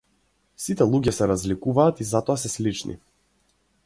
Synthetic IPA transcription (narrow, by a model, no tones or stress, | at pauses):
sit̪ɛlˠuɡɛsɛɾazlikuvaːt̪izat̪ɔasɛslit͡ʃnʔḭ